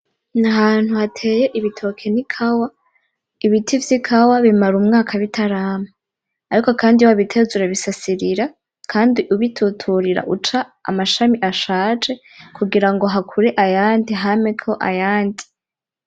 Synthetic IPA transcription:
naɦaːn̥huhatʰe̞ːjeʔiβitʰo̞kʰe̞nikʰawa | iβitʰivjikʰawaβimaɾumŋaːkʰaβitʰaɾaːme | aɾiko̞kaːndiwaβitʰe̞zuɾeβisasiɾiɾa | kʰaːndiʔuβitʰutʰuɾiɾa̰ʔut͡ʃaa̰maʃamiʔaʃaːt͡ʃe̞ | kuɡiɾaŋɡo̞ɦakʰuɾe̞ʔajaːndiɦamekʰo̞ʔa̰jaːndi

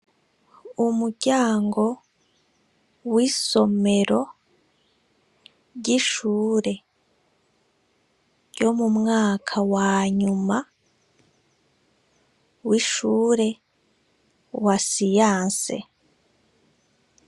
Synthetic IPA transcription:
umuɾɟaːŋɡo̞ | wiso̞me̞ɾo̞ | ɟiʃuːɾe̞ | jomumŋaːkʰawaːɲuma | wiʃuːɾe̞ | wasijaːnsḛ

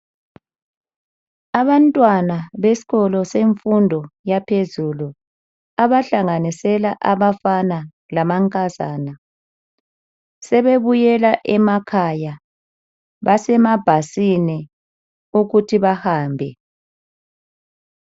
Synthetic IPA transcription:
aβantʼwanaβesi̥ɣɔlɔseɱfundʱɔjapʰezulu | aβaɬaŋanisɛlaʔaβafana | lamaŋkʼaza̰ːna | sɛβeβujɛlaʔɛmakʰaja | βasɛmab̥ʱasini | uɣutʰiβahaːmbʱɛ̰

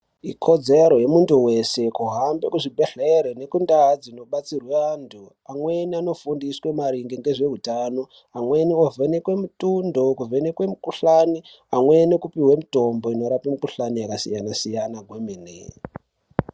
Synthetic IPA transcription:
ikʰo̞d͡ze̞ɾo̞je̞muntuwe̞se̞kuɦambe̞kuʐibʱe̞ɬeɾene̞kundad͡zino̞ɓat͡sirweantʰu | amwe̞niano̞fundiswe̞maɾiŋɡiŋɡe̞ʐe̞ɦutano̞ | amwe̞niovʱenekwe̞mutundo̞kuve̞nekwe̞mukuɬani | amwe̞nekupiɦwe̞muto̞mbo̞ino̞ɾapimikuɬanijakasijanasijanaɡʱwemenḛ

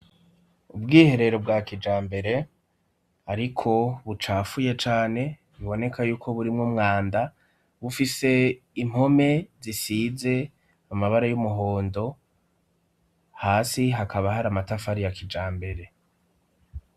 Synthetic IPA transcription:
ubɡiːhe̞ɾe̞ɾo̞bɡakid͡ʒaːmbe̞ɾe̞ | aɾikʰo̞βut͡ʃaːfuje̞t͡ʃaːne̞ | βiβo̞ne̞kʰajuːkʰo̞βuɾimŋumŋaːnda | βufise̞ | im̥ho̞me̞zisize̞ | amaβaɾajumuɦo̞ːndo̞ | haːsiɦakaβaɦaɾamatafaɾijakid͡ʒaːmbe̞ɾe̞

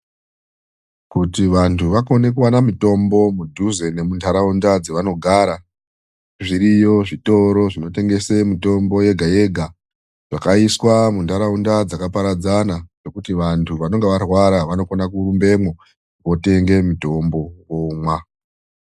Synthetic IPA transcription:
kutiʋantʰuʋako̞ne̞k̬uwanamito̞mbo̞mudʱuze̞ne̞mundʰaɾaundad͡zeʋano̞ɡʱaːɾa | ʐiɾijo̞ʐito̞ɾo̞ʐino̞te̞ŋɡe̞se̞mito̞mbo̞je̞ɡʱaje̞ɡʱa | ʐ̥akaiswamuntaɾaundad͡zakapaɾad͡zanaʐe̞kutiʋantʰuʋano̞ŋɡe̞ʋarwaɾaʋano̞konakuɾumbe̞mwo | ʋo̞te̞ŋɡe̞mito̞mbo̞womwa

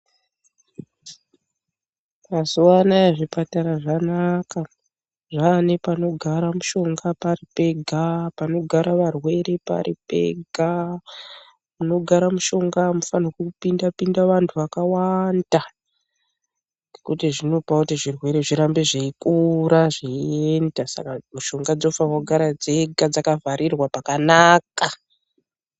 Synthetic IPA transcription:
mazuwanajeʐipataɾaʐanaka | ʐane̞pano̞ɡʱaɾamuʃo̞ŋɡapaɾipe̞ɡʱapano̞ɡʱaɾaʋarwe̞ɾe̞pa̰ɾipe̞̰ɡʱa | muno̞ɡʱaɾamuʃo̞ŋɡamufanokupindapindaʋantʰuʋakawanda | ɡekutiʐino̞pautiʐirwe̞ɾe̞ʐiɾambe̞ʐeikuɾaʐieendasa̰kamuʃo̞ŋɡad͡zo̞faaɡʱaɾad͡ze̞ɡad͡zakavaɾirwapakanaka

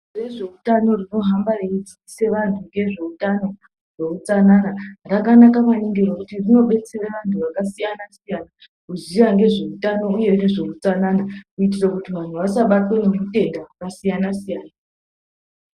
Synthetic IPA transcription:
reʐe̞utano̞rino̞ɦambareid͡zi | se̞ʋantʰuŋɡe̞ʐe̞utano̞ | re̞ut͡sananarakanakaʋaneŋɡerekutirino̞ɓe̞t͡seraʋantʰuʋakasijanasijana | kuzijaŋɡe̞ʐe̞utano̞uje̞neʐe̞ut͡sananakuitirakutiʋan̤uʋasaɓatweneute̞ŋdakasijanasijaːna

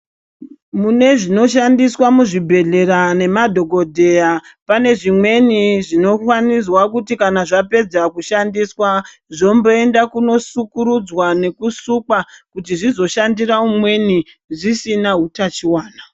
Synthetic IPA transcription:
mune̞ʐino̞ʃandiswamuʐibʱe̞ɮe̞ɾane̞madʱo̞ɡo̞dʱe̞japane̞ʐimwe̞niʐino̞kwanis̬wakutikanaʐape̞d͡zakuʃandiswa | ʐo̞mbo̞e̞ndakuno̞sukuɾud͡zwane̞kusukakutiʐizo̞ʃandiraumwe̞ni | ʐisinaɦutat͡ʃiwaːna

